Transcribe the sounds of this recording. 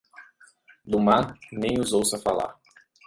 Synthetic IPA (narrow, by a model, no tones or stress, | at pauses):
d̪umanẽj̃uzowsɐfala̰ɾ